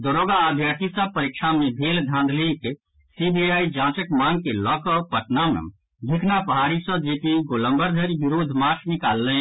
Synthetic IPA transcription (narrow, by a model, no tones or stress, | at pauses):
d̪oɾoːɡaːd̪ʱjəɾt̪ʰisəb̚pəɾikʃʰamebʱeːld̪ʱãːnd̪ʱlik | sibiaid͡ʒãːt͡ʃəkmãŋɡ̚kelɔkɔpəʈ̪namnə̰m | b̪ʱikʰnapəɦaːɾisə̃d͡ʒit̪iɡolə̃mbəɾd̪ʱəɾibiɾoːd̪ʱmat͡ʃʰnikaːlːɛ̃